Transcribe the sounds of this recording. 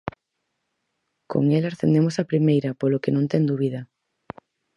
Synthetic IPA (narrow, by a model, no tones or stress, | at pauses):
ko̰ŋelaɾθend̪emosapɾimejɾɐpolokenõnt̪ɛŋd̪uβiðɐ